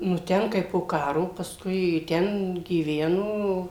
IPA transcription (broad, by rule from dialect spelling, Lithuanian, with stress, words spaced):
nʊ ˈtʲɛn ˈkɐɪ poː ˈkɑːroː pɐsˈkʊɪ ˈtʲɛn ɡʲiːˈʋʲæːnoː